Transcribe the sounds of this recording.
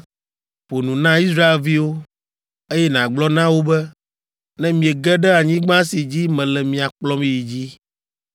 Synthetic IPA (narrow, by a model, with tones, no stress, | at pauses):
ɸo˨nũ˨nã˦i˦s̬ɾa˦e˨lvi˦wo˦ | e˦jɛ˦nã˨ɡ͡blɔ˦nã˦wo˦bɛ˦ | nɛ̃˦mĩ˨e˨ɡɛ˦ɖɛ˦a˨ɲĩ˦ɡ͡bã˦si˨d͡ʑi˦mɛ̃˨lɛ˨mĩ˨a˨k͡plɔ˦mĩ˦ji˨d͡ʑi˦